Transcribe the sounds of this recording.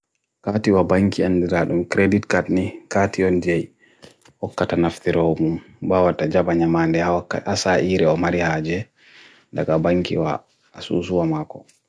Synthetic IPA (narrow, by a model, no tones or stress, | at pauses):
katiwabaŋkianːdiɾaɗumkɾeditkatnikatiɔnd͡ʒɛj | hɔkːatanaft̪iɾɔmum | bawatad͡ʒabaɲamandɛhawakːaasaʔiːɾɛɔmaɾihaːd͡ʒɛ | da̰ɡabaŋkḭwa̰ː | sṵsuwamakɔ